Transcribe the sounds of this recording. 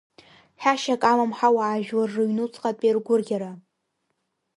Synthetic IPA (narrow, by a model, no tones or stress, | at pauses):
ħaʃakʼalamħawaːʒᶣwarːɨɥnut͡sʰʼqʼapʼerɡʷʊrɡʲaɾa